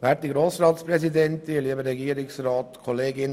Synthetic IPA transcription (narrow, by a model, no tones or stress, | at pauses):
ʋæːtiɡɾoːsɾɑːtspɾɛsidɛntɪliəbəɾɛɡiːəɾɪksɾɑːtkʰɔleːɡɪn